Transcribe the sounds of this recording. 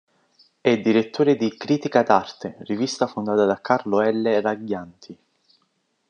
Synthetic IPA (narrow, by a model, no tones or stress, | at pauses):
ɛd̪ːiɾet̪ːoːɾed̪ikɾiːt̪ikad̪art̪erivist̪afond̪aːt̪ad̪akːarloɛlːeraɡjant̪ʰi